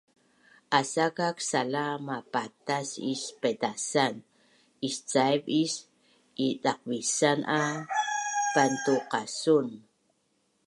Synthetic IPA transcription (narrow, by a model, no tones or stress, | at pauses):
ʔasakaksalamapat̪asispedasan | ist͡sajbis | iɗaq̚bisanʔa | pant̪uqasun